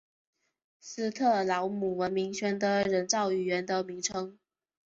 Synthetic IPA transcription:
sɹ̩˥t̪ʰɤ˥˩lɑ˧˥ʊmu˨˩wə˧˥nmi˧˥ŋɕɥɛ˥nd̪ə˨ɻə˧˥nt͡sɑ˥˩ʊy˨˩ɥɛ˧˥nd̪ə˧mi˧˥ŋʈ͡ʂʰɤ˥ŋ

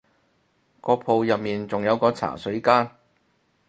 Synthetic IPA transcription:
kɔː˧pʰo˧wjɐ˨p̚miː˨nt͡sʊ˨ŋjɐ˨˧wkɔː˧t͡sʰa̰ː˨˩sɵ˨˥ɥkaː˥n

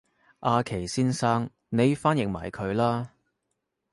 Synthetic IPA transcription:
ʔaː˧kʰe˨˩jsiː˥nsaː˥ŋ | ne˨˧jfaː˥njɪ˨ŋ̚ma̰ː˨˩jkʰɵ˨˧ɥlaː˥

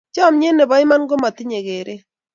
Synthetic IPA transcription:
t͡ʃɔ˦˨mɲe˦ne˨bɔ˨ɪ˦ma˦nɡo˦ma˨t̪ɪ˦ɲe˨ɡe˨ɾʔe˦

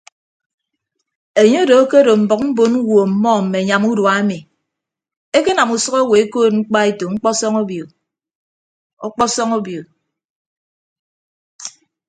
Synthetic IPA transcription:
e˨ɲe˦do˨˦ke˦ɾo˨m̩˨bɔ˨k̚m̩˦bo˨nu˦wo˨m̩˨mɔ˦m̩˨me˨ɲa˨mu˦dwa˨e˦mi˨ | e˦ke˦na˨mu˨sɔ˦ɣo˦we˨e˦koː˦˨t̚ŋ͡m̩˦k͡pa˦e˦to˨ŋ͡m̩˦k͡pɔ˦sɔ˦ŋo˦bjo˨ | ɔ˦k͡pɔ˦sɔ˦ŋo˦bjo˨

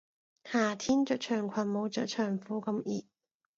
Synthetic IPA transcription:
haː˨˩t̪ʰiː˥nt͡ʃœː˨˥t͡ʃʰœː˨˩ŋkʷʰɐ˨˩nmo˨˧wt͡ʃœː˨˥t͡ʃʰœː˨˩ŋfuː˨˥kɐ˧mʔiː˨˩t̚

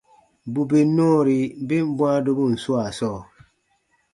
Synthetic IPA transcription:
bu˨be˨nɔ˦ɾi˨˦be˦m̩˦bwã˦do˦bo˦˨n̩˨swa˨sɔː˦˨

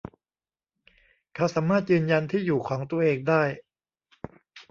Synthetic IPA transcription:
kʰa˦˥˩saː˩˦mːaː˥˩t̪̚jɯː˧nja˧nt̪ʰiː˥˩juː˨˩kʰɔː˩˦ŋt̪u˧ɐʔeː˧ŋdaː˥˩j

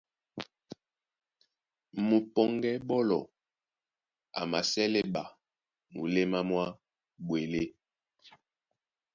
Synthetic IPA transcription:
mu˨pɔ˨ŋɡɛ˦ɓɔ˦lɔ˨ | a̰˨ma˨sɛ˦le˦ɓa˨ | mu˨le˦ma˦mwa˦ | bwe˨le˦

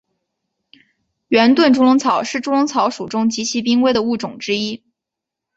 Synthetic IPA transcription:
ɥɛ˧˥nt̪wə˥˩nʈ͡ʂu˥lʊ˧˥ŋt͡sʰɑ˨˩˦ʊʂɻ̩˥˩ʈ͡ʂu˥lʊ˧˥ŋt͡sʰɑ˧˥ʊʂu˨˩ʈ͡ʂʊ˥ŋt͡ɕi˧˥t͡ɕʰi˧˥p̬i˥ŋwe˥ɪd̪ə˨u˥˩ʈ͡ʂʊ˨˩ŋʈ͡ʂɻ̩˥i˥

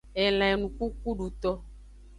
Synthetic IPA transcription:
ɛ˨l̃ã˨nũ˨ku˦ku˦ɖu˨t̪ɔ˦

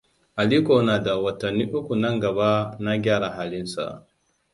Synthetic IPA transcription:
ʔa˨liː˦ko˦naː˨da˨wɐ˨tɐ˨nːiː˦ʔʊ˦kʷu˨nɐ˦ŋɡɐ˨ba˦na˦ɡʲaː˦ɽa˨ɦaː˦lɪ˦nsa̰˨

